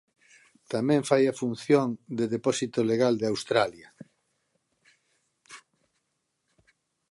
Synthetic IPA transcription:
t̪amɛ̃ɱfajafun̟θjõŋd̪eðepɔsit̪oleɣald̪eawst̪ɾaljɐ

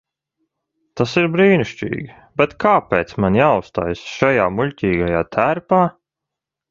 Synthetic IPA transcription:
t̪asiɾbɾiːniʃt͡ʃḭːɡʲi | bʲɛt̪kaːpeːt̪smanjaːust̪a̰ːjsʃajaːmuʎʲtʲiːɡajaːt̪ʰæɾpaː

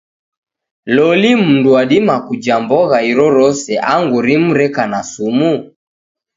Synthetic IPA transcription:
lɔlim̩nduaɗimakud͡ʒambɔɣaiɾɔɾɔsɛʔaŋɡuɾimuɾɛkanasumu

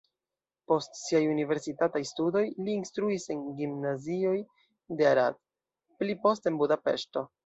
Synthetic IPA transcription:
po̞stsiajunive̞ɾsitatajstudo̞jliːnstɾuise̞nɡimnazio̞j | deaɾad̚ | plipo̞ste̞nbudape̞̰ʃto̞

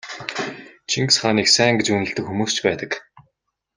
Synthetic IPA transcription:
t͡ɕʰiŋksχaːniːksæːŋɡet͡ɕunɘ̆ɮt̪ɘ̆kxumuːst͡ɕpæːt̪ə̆k

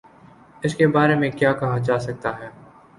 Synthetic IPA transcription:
ɪskebaːɾemẽkjaːkɐɦad͡ʒaːsɐk̚t̪aɦɛː

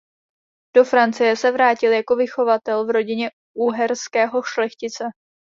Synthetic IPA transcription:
d̥o̞fɾant͡sɪjɛsɛvɾaːcɪljako̞vɪxo̞vat̪ɛlvɾo̞ɟɪɲɛ | ʔuːɦɛɾskɛːɦo̞ʃlɛxcɪt͡sɛ

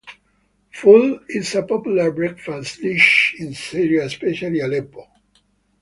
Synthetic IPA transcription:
fulɪsapɔpjulaɹbɹɛkfasdiʃĩnsiɹiaespɛʃalialɛpo

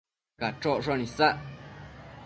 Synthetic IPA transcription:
kaʈ͡ʂoʔʂnĩsaʔ

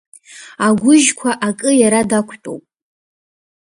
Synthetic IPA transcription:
aɡʷʊʒkʷʰaʔakʼɨjaɾadakʷʰtʼo̰wpʼ

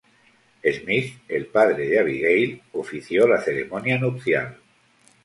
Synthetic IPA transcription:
ezmifelpaðɾeðeaβ̞iɣejlofiθjolaθe̞ɾe̞̰monjanukθja̰l

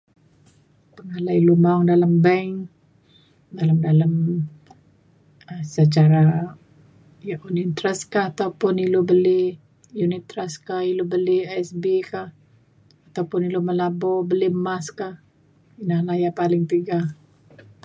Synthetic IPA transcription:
pəŋalailumaʊŋdalambɛŋ | dalamdalam | əsət͡ʃaɾa | jaʔunit̪ɾəskahat̪awpʊnilobəlɪh | junit̪ːɾəskahilobəliaɛsbekah | at̪awpʊniloməlabɔbəlimaskah | inahlahjapalɪŋt̪iɡah

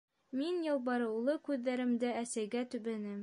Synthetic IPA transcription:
minjɑlˠbɑɾɤ̆wlˠɤkʉðːæɾɘ̆md̪ɘæsæjɡæt̪ɵ̆βænɘm

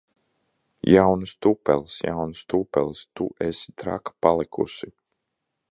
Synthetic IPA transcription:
jʔawnɨst̪upɛ̰lˠsja̰wnst̪upɛlˠst̪uʔest̪ɾa̰kḁpalˠikʰṵsi

